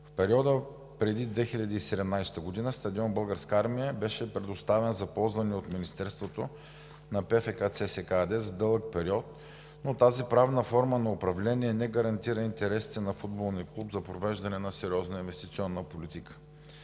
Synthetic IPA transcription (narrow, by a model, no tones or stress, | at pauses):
fpɛɾiɔd̪ə | pɾɛd̪id̪vɛxilʎʲɐd̪iːsɛd̪ɛmnajst̪əɡʊd̪inəst̪ɐd̪iɔnbɤlˠɡəɾskaɾmijəbɛʃɛpɾɛd̪ost̪avɛnzɐpɔlˠzvɐnɛot̪minist̪ɛɾst̪vot̪o | nɐpɛfɛkat̪sɛsɛkad̪ɛzɐd̪ɤlˠək̚pɛɾiɔt̪̚ | not̪azipɾavnəfɔɾmənɐʊpɾɐvlɛniɛnɛɡɐɾɐnt̪iɾəint̪ɛɾɛsi̥t̪ɛnɐfud̪̚bolˠniəklˠupzɐpɾovɛʒd̪ɐnɛnɐsɛɾʲiɔznəinvɛst̪it̪sʲiɔnːəpolit̪ikə̥